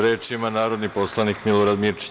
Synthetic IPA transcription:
ɾeːt͡ʃimanaːɾo̞d̪nipo̞slˠanikmiloɾad̪miɾt͡ʃi̥

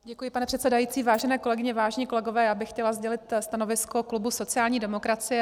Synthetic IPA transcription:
ɟɛkujɪpanɛpr̥ɛt̪sɛdajiːt͡siːvaːʒɛnɛːko̞lɛɡɪɲɛvaːʒɛɲiːko̞lɛɡo̞vɛːjaːbɪxːcɛlazɟɛlɪt̪st̪ano̞vɪskoklubuso̞t͡sɪaːlɲiːdɛmokɾat͡sɪjɛ

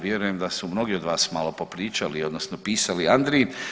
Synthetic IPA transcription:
ʋje̞ɾujemd̪asumno̞ɡio̞d̪ʋaːsmaːlo̞po̞pɾiːt͡ʃalio̞d̪nosnopiːsaliand̪ɾi

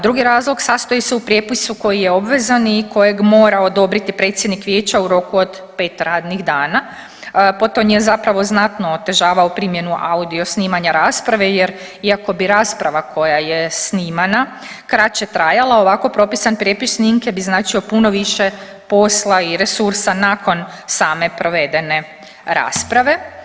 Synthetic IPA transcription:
d̪ɾuɡiɾaːzlo̞ɡsaːst̪ojiseupɾjepisuko̞jijeo̞bʋe̞zaniko̞je̞ɡmo̞ːɾao̞d̪o̞bɾit̪ipɾe̞ːt̪sjed̪nikʋjeːt͡ɕauɾo̞kuod̪ | pe̞ːt̪ɾaːd̪niɣd̪aːna | po̞t̪omjezapɾaʋo̞znat̪noːt̪e̞ʒaːʋaopɾimje̞nuʔaud̪io̞sniːmaɲaɾaːspɾaʋejeɾ | iako̞biɾaːspɾaʋakʰo̞jajesniːmana | kɾat͡ʃet̪ɾajalˠao̞ʋako̞pɾo̞pisanpɾjepisniŋkjebiznaːt͡ʃio̞puno̞ʋiʃe | po̞slˠaiɾe̞suɾsanako̞n | saːme̞pɾo̞ʋe̞d̪e̞ne̞ | ɾa̰ːspɾaʋe̞

